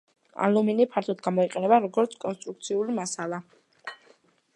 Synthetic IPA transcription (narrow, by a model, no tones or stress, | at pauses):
a̰luminipʰaɾt̪ʰɔt̪ɡamɔiqʼɛnɛbaɾɔɡɔɾt̪sʰkʼɔnst̪ʼɾuk̚t̪sʰiulimasalˠa